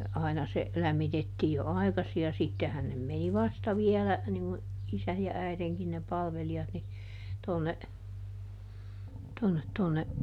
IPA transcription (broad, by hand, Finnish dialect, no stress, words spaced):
ɑinɑ se læmːitetːiː jo ɑi̯kɑsi jɑ sitːehæn nem meni ʋɑstɑ ʋiɛlæ niŋ ŋu isæj jɑ æiðeŋkin ne pɑlʋeliɑt ni tonːe tonːet tonːe